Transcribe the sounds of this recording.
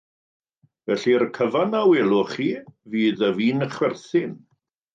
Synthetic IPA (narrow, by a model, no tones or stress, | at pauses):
vɛɬirkʰəvanaweːlˠʊχiːviːðəviːnəχwɛrθɪn